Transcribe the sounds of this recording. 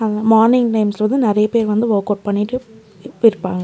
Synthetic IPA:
ɐðmaːɾnɪŋʈɐɪmsɾɐnd̪ɯnɪɾɐjɐpeːɾʋɐnd̪ɯʋoːkoːʈ̚pɐɳːɪʈːɯ | ɪɾɯpːaːŋɡɐ

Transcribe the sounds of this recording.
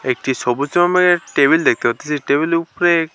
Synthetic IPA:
ek̚ʈisɔbusɔmameʈebild̪ekʰt̪epat̪ʰesiʈebilupɔɾe

